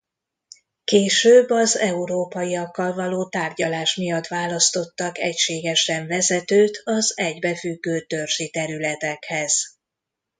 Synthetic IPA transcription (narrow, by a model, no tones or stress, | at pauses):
keːʃøːbːɒzɛuɾoːpɒjijɒkːɒlvɒloːt̪aːrɟɒlaːʃmijɒt̪vaːlɒst̪o̞t̪ːɒkɛ̰cʃeːɡɛʃɛɱvɛzɛt̪øːt̪ʰɒzɛɟbɛfyɡːøːt̪ørʒit̪ɛɾylɛt̪ɛkhɛz̥